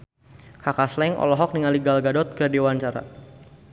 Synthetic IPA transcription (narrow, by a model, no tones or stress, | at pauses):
kakaslɛŋʔɔ̰lɔɦɔk̚niŋaliɡalɡadɔt̪̚kərdewant͡ʃaɾa̰